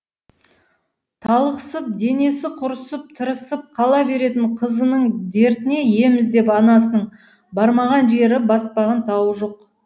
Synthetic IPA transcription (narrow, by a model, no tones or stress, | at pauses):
t̪ʰɑlˠəqəsəp̚d̪e̞ne̞sɪqʰʊɾəsəp̚t̪ʰəɾəsəp̚qʰɑlˠɑbe̞ɾe̞t̪ɪɴqʰəzənəɴd̪e̞ɾt̪ɪne̞je̞mɪzd̪e̞pɑnɑsənəɴ | bɑɾmɑʁɑnʒe̞ɾɪbɑspɑʁɑnt̪ʰɑwəʒo̞q